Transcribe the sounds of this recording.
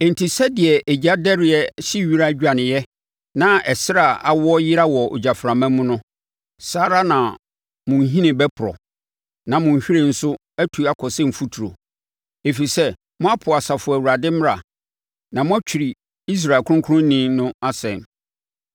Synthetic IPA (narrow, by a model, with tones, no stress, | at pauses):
ɛ̃˨n˨tʰi˨sɛ˦dɪ˨ɛ˨ʔe˨d͡ʑa˦dɛ˦ɾɪ˨ɛ˦ɕi˦ɥi˦ɾa˦d͡ʑᶣa˨nɪ̃˨jɛ˦ | nã˨ɛ˨sɪ˦ɾa˨a˨wɔ˦jɪ˦ɾa˦wɔ˨o̰˨d͡ʑa˨fɾã˨mã˦mũ˦nʊ̃˦ | saː˦ɾa˦nã˨ | mʊ̃˨n˦ɦĩ˦nɪ̃˨bɛ˦pʰʊ˨ɾɔ̰˨ | nã˨mʊ̃˨ɲ̩˨ɕᶣɪ˦ɾe˦˨n̩˦sʊ˦ | æ˦tʰu˨˦a˦kʰɔ˨sɛ̃˦m̩˨fu˦tʰu˨ɾo̰˨ | e˨fi˨sɛ˦ | mʊ̃˦a˦pʰʊ˨a˨sa˨fʊ˨æ˨wu˨ɾa˨dɪ̃˦m˦ɾa˨ | nã˨mʊ̃˦æ˦t͡ɕᶣi˨ɾi˨ | i˦s̬ɾa˨kʰʊ̃˦ʊ̃˦kʰʊ˦ɾʊ̃˦nĩ˦nʊ̃˦a˦sɛ̰̃˨n